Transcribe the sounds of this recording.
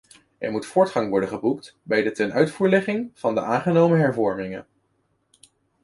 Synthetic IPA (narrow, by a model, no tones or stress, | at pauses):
ɛ̰ɹmutfʊːɹtχɑŋʋɔɹdəχəbuk̚tbɛjdətɛnœɥtfuːɹlɛχɪŋv̥ɑndəʔaːŋχənowməɦɛɹvɔɹmɪŋə̰n